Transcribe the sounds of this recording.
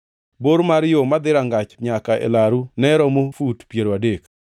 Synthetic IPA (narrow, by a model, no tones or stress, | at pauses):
boɾmaɾjomad̪ɪɾaŋɡat͡ʃɲakaʔḛlaɾunɛɾɔmofutpjeɾoadek